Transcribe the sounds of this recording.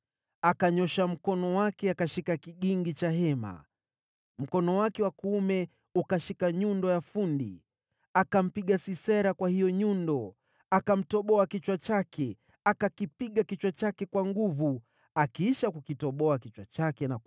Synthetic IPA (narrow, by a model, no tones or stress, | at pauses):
akaɲɔʃam̩kɔnɔwakɛakaʃikakiɠiŋɡit͡ʃahɛma̰ | m̩kɔnɔwakɛwakuumɛ | ukaʃikaɲundɔjafundḭ | akam̩piɠasisɛɾakwahijɔɲundɔ | akam̩tɔɓɔakit͡ʃwat͡ʃakʰɛ | akakipiɠakit͡ʃwat͡ʃakɛkwaŋɡuvu | akiiʃakukitɔɓɔakit͡ʃwat͡ʃakɛna